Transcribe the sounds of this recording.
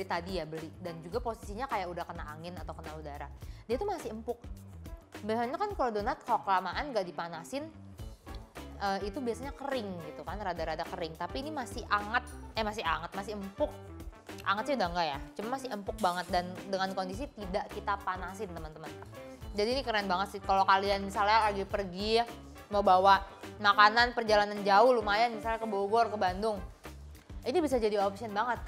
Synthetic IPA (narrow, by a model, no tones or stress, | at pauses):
bəlit̪adijabəlɪdand͡ʒuɡaposisiɲakajaʔudahkənaaŋɪnat̪awkənaudaɾa̰diat̪umasɪəmpʊk̚ | bəsaɲakankordonat̪̚kalokəlamaʔanɡaʔdipanasɪn | ʔəːit̪ubiasaɲakəɾɪŋɡit̪ukanradaɾadakəɾɪŋt̪apiːnimasɪhʔaŋət̪̚ɛmasɪɦaŋət̪̚masɪəmpʊk̚ʔa̰ŋət̪sɪudaŋɡajat͡ʃumanmasɪəmpʊk̚baŋət̪̚dandəŋankondis̬it̪idaʔkit̪apanasɪnt̪əmənt̪əmən | d͡ʒadiːnikəɾiŋanbaŋət̪sɪkalokalianmisalɲalaɡipərɡija | mawbawa | makananpərd͡ʒalanand͡ʒaʊhlumajanmisalɲakəboɡɔrkəbandʊŋ | inibis̬ad͡ʒadiopsiənbaŋət̪̚